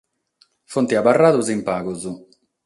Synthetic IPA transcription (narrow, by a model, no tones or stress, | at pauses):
font̪iabarːaːðuzimpaːɣuzu